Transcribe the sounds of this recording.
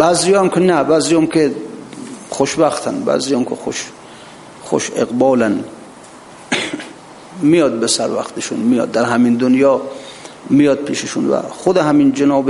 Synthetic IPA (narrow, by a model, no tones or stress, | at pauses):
b̥æzijɒːamkʲʰenæbæːzijmkʲʰe | xoʃbæxt̪ʰæ̰nbæ̰zijɔmkʲʰexoʃ | xo̰ʃeɣbɒːlæn | mijɒd̪̚besæɾvæ̰xt̪eʃunmijɒ̰d̪̚ːæɾɦæmind̪onjɒː | mijɒd̪̚pʰiːʃeʃunvæ̰xod̪eɦæmind͡ʒenɒːbe